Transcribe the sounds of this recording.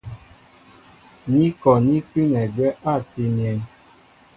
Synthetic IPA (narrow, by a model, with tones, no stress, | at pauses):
ɲi˦kɔ˨ni˦ki˦nɛ˨ɡɛ˦ʔa˦˨ti˧njɛ˧n